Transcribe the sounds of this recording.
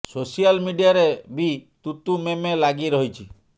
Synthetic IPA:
sosijalmiɖijaɾebit̪ut̪umemelaɡiɾɔɦit͡ʃʰi

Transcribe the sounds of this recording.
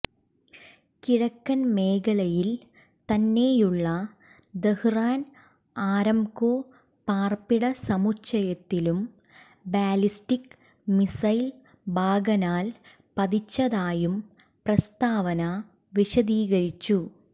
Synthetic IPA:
kiɻɐkːɐnme̞ːkɐɭɐjil | t̪ɐnːe̞ːjuɭːɐ | d̪ehraːn | aːɾɐmkoː | paːrpiɽɐsɐmut͡ɕːɐjɐt̪ːilum | baːlistik | misɐjl | bʱaːɡɐnaːl | pɐd̪it͡ɕːɐðaːjum | prɐst̪aːʋɐnɐ | ʋiɕɐd̪iːɣɐɾit͡ɕːu

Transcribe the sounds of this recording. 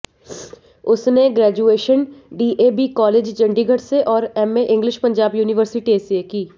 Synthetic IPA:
ʊsneɡɾɛːd͡ʒueːʃənɖiːʔeːbiːkɔːleːd͡ʒd͡ʒɐ̃ɳɖiɡʱɐʈseʔɔːɾɛmeʔɪ̃ŋɡlɪʃpɐ̃ɲd͡ʒaːbjuːnɪʋəɾsɪʈieːsekiː

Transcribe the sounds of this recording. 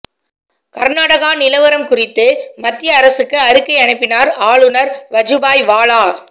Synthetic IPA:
kɐɾnaːɽɐɣaːnɪlɐʋɐɾɐmkʊrɪt̪ːɯmɐt̪ːɪjɐːɾɐsɯkːɯɐɾɯkːɐɪɐnɐɪpːɪnaːɾaːɭɯnɐɾʋɐd͡ʒɯbaːjʋaːɭaː

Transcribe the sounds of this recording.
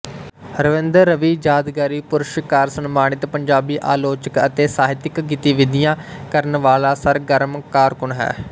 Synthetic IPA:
ɾəʋɪ̃nd̪əɾːəʋiːd͡ʒaːd̪ɡaːɾiːpʊɾʃɪkaːɾsənmaːɳ̃ɪt̪pəɲd͡ʒaːbiːʔaːloːt͡ʃəkət̪eːsaːɦɪt̪ɪkɡɪt̪iːʋɪd̪ɪjãː | kəɾənʋaːlaːsəɾɡəɾmkaːɾkʊɳɦɛ̰ː

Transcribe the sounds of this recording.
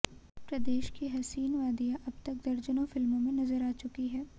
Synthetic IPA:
pɾɐd̪eːʃkiɦɐsiːnʋaːd̪ijaʔɐb̚t̪ɐk̚d̪ɐɾd͡ʒənõfɪlmõmẽnɐzəɾaːt͡ʃʊkiɦɛː

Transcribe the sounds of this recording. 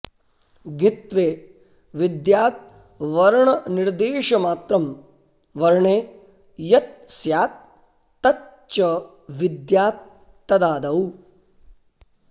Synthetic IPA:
ɡit̪ʋeː | ʋid̪jaːt̪̚ | ʋɐɾɳɐniɾd̪eːʃɐmaːt̪ɾɐm | ʋɐɾɳeː | jɐt̪̚sjaːt̪̚ː | ɐ | t͡ʃɐ | ʋid̪jaːt̪̚ː | ɐd̪aːd̪ɐu

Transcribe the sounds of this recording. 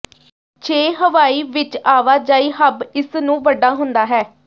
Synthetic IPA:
t͡ʃʰeːɦəʋaːiːʋɪt͡ʃaːʋaːd͡ʒaːiːɦəbɪsnũːʋəɖaːɦʊnd̪aːɦɛː

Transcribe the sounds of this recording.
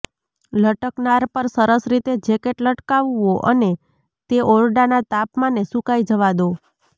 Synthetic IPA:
ləʈəknaɾpəɾsəɾəsɾit̪ed͡ʒekeʈləʈkaʋoʔəne | t̪eʔɔɾɖanat̪apmanesukajd͡ʒəʋad̪o

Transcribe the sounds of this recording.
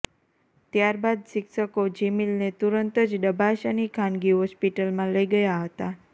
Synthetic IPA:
t̪jaɾbad̪̚sɪkʃəkod͡ʒimilnet̪uɾənt̪əd͡ʒɖəbʱaʃanikʰanɡiɦɔspiʈəlmãləiɡəjaɦət̪a

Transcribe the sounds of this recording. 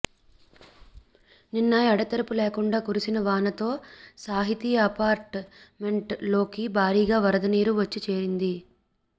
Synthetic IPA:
ninːɐjɐɽɐt̪ɐɾɐpuleːkuɳɖaːkuɾusinɐʋaːnɐt̪o̞ːsaːɦit̪iːɐpaːɾʈme̞ɳʈlo̞ːkibʱaːɾiːɡaːʋɐɾɐd̪ɐniːɾuʋɐt͡ʃːit͡ʃe̞ːɾind̪i

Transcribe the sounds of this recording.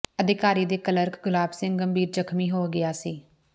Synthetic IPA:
əd̪ɪkaːɾiːd̪eːkələɾkɡʊlaːbsɪ̃ŋɡɡəmbiːɾd͡ʒəkʰmiːɦoːɡɪjaːsiː

